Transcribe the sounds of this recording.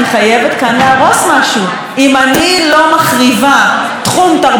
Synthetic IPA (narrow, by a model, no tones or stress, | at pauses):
eχaje̞vet̪kanleaʁo̞smaʃu | imanilo̞maχʁiva | t̪χumt̪aʁ